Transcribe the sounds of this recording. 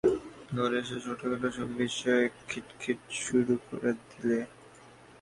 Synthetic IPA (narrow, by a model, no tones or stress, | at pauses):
ɡɔɾeʃ̬eʃoʈʰakaʈaʃɔbbiʃːɔekʰːiʈkʰiʈʃuɾuko̰ɾed̪ile